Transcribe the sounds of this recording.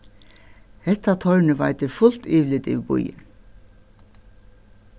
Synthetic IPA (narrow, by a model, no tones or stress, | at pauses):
hɛht̪ːat̪ʰɔɹnɪva̰jt̪ɪɾfʊl̥t̪iːʋlɪt̪ɪ̰ːʋbʊ̰jɪ̰n